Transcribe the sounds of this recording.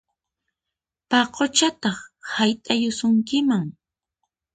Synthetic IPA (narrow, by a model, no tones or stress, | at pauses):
paqot͡ʃat̪ɑχhajt̪ʼajʊsʊŋkɪmaŋ